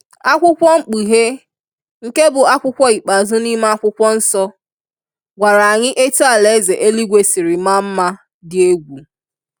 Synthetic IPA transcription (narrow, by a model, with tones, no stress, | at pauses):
a˦kʷʊ˦kʷɔ˦ŋ͡m̩˦˨k͡pi˨ɦe˦ | ŋ̩˨ke˦bʊ˨a˦kʷʊ˦kʷɔ˦i˨k͡pa˨zʊ˦ni˦ma˦a˦kʷʊ˦kʷɔ˦n̩˦sɔ˦ | ɡʷa˨ɾa˨a˨ɲɪ˦ʔe˦tu˦a˨le˨˦ze˨ʔe˦li˦ɡʷe˦si˨ɾɪ˨ma˦m̩˦ma˦ | dɪ˨e˦ɡʷu˨